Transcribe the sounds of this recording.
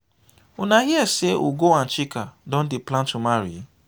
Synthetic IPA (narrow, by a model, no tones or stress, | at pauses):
ʊnaɦiɛseʔuɡoan̩t͡ʃikadɔ̃n̩dɪplãntumaɾḭ